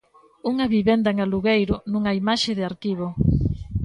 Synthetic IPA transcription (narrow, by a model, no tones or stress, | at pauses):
uŋɐβiβend̪aeŋaluɣejɾʊnũŋaimaʃeðɪaɾkiβo